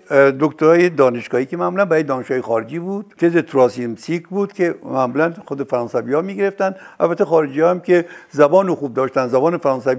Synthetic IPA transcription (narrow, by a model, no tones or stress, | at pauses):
d̪okt̪ʰoɾɒːjed̪ɒːneʃɡ̥ɒːhiːkemæmuːlænbæɾɒːjed̪ɒːneʃɡɒːjexɒːɾed͡ʒiːbud̪t̪ʰezet̪ʰɾɒːsimsikbuːd̪̥kʲʰemæmuːlænxod̪efæɾɒːnsæviːɒːmiːɡeeft̪ænd̪ʔæ̰lbæt̪ːexɒːɾed͡ʒiɒːæmkʲezæbɒːnoxuːb̚d̪ɒːʃt̪ænd̪zæbɒːnefæɾɒːnsævi